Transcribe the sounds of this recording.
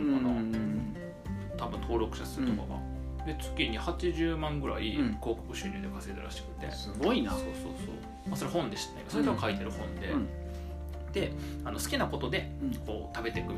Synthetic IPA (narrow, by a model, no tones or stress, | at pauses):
ana | t̪abɯ̟̃nt̪ʰo̞ːɾo̞kɯ̟̥ɕasɨɾɯt̪oka̰ɡa̰ | d̪e̞t͡sɨ̥kʲiɲ̟ihat͡ɕiʑɨːmãŋɡɯ̟ɾa̰iko̞ːko̥kɯ̟ɕɨɾʲɨːd̪ekaseɾet̪eɾa̰ɕi̥kɯ̟̥t̪e̞̰sɨɡo̞inasoːso̰ːso̰ː | maso̞ɾeɦõ̞nd̪e̞ɕi̥t̪ḁnḛa̰jkːsoɾet̪akait̪e̞ɾɯ̟hõ̞nd̪e̞ | d̪̥e̞ | ano̞sɨ̥kʲinako̞t̪o̞d̪e̞ko̞ːt̪abe̞t̪e̞kɯ̟